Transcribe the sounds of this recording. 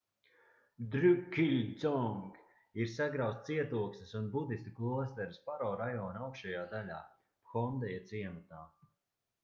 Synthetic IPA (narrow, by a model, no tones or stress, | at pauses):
d̪ɾykʲːiʎʲd̪zɔŋɡ | iɾsaɡɾawst̪siɛt̪uɔksɐsunbud̪ist̪uklˠuɔst̪ɛɾispaɾɔːɾajɔːnawkʃajaːd̪ala̰ː | pxɔnd̪ɛjat̪siɛmut̪aː